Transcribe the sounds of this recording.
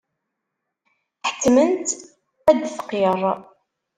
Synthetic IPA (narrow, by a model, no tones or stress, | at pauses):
ħə̥t͡sːmənt̪ | æd̪θqːeɾˤ